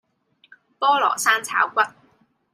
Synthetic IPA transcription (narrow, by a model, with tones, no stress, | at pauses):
pɔː˥lɔ̰ː˨˩saː˥nt͡sʰa̰ː˨˥wkʷɐ˥t̚